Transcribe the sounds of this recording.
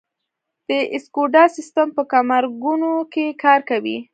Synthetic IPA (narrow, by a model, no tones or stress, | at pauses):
d̪̥əʔɪskoɖɑsɪst̪ampəkamaɾɡunokekʰɑɾkawḭ